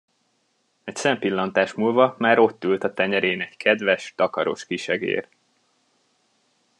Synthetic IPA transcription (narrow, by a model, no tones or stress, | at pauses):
ɛcsɛmpilːɒnt̪aːʃmuːlvɒmaːɾo̞t̪ːylt̪ɒt̪ɛɲɛɾeːnɛɟkʰɛd̪vɛʃt̪ɒkɒɾo̞̰ʃkiʃɛɡḛːr